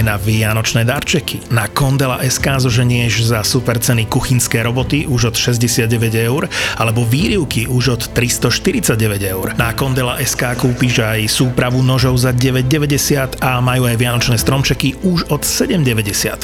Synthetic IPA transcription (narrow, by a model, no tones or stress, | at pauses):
naʋɪanɔt͡ʃnɛːd̪aɾt͡ʃɛkinakɔnd̪ɛla̰ʔɛskaːzɔʒɛɲɪɛʒzasupɛɾt͡sɛnikuxinskɛːɾɔbɔt̪iʔuʒɔt̪ʃɛzɟɛsɪad̪ɟɛʋɛɟɛʊɾalɛbɔʋiːɾiʊkiʔuʒɔt̪ːɾist̪ɔʃt̪iɾit͡saɟɛʋɛɟɛʊɾnakɔnd̪ɛlaʔɛskaːkuːpiʒajsuːpɾaʋunɔʒɔʊzaɟɛʋɛɟ̚ɟɛʋɛɟɛsɪat̪amajuːajʋɪanɔt͡ʃnɛːst̪ɾɔmt͡ʃɛkiuʒɔt̪sɛɟɛmɟɛʋɛɟɛsɪa̰t̪